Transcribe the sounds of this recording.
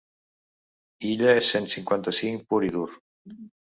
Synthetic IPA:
iʎəesensiŋkwant̪əsiŋpuɾiðuɾ

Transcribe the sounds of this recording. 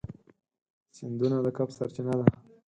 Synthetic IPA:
sɪnd̪unalakapsaɾt͡ʃɪnad̪a

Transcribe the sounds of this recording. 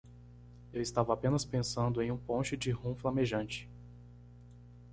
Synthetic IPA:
ewɪst̪avɐapẽnɐspẽsɐ̃nd̪ʊẽj̃ũpõʃɪd͡ʒɪhũflɐmeʒɐ̃nt͡ʃɪ̥

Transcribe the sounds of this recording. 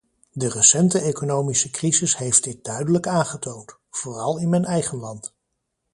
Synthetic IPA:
dərəsɛntəekonowmisəkrizɪsɦejftd̥ɪt̚d̥œɥdələkaːnχətownt | v̥ʊːrɑlˠɪnmɛjnɛjχənlɑnt

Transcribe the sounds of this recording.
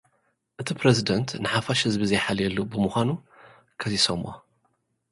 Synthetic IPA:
ʔɨt̪ʰipɾezid̪ɐnt̪nɨħafaʃhɨzbizɐjħaljɛlːubɨmuxʷanu | kʰɐzisomʔo

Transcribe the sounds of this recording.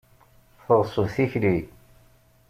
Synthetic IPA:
θəʁsˤəvθiçli

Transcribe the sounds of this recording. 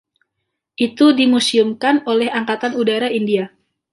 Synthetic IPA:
ʔit̪udimusiumkanolɛhaŋkat̪anudaɾaindia

